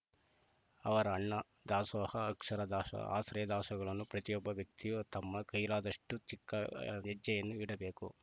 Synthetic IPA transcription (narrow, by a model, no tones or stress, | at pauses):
ɐʋɐɾɐːɳːɐ | d̪aːsɐʋɐhɐːkʂɐɾɐd̪aːʃɐ̰a̰ːsɾɐjɐd̪aːʃɐɡɐɭɐnːupɾɐt̪ijɔbːɐʋjɐk̚t̪ijut̪ɐmːɐkɐjlaːd̪ɐʂʈut͡ʃikːɐɛd͡ʒːɐjɐnːuiɽɐbe̞ːku